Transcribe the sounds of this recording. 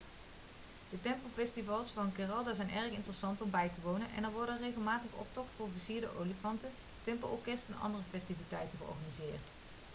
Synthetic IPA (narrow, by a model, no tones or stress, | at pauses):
d̥ətɛmpolfɛstivɑlˠsfɑnkɪrɑlˠdazɛjnɛrkɪntərəsɑntɔmbɛjtəʋownənʔɛ̰nɛɹʋɔɹdərejɣəlˠmaːtəχɔ̰p̚tɔktfʊːɹvisiːɹdə̰ʔowlifɑntə | tɛmpolʔɔɹkɛstɛnɑ̰ndərəfɛstivitɛjtəχəɔ̰ɹɣaːnizɪːrt